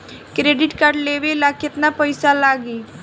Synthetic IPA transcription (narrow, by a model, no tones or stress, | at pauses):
kɾeːɖɪʈkaɾɖleːʋelaːkɪt̪napəɪsalaːɡiː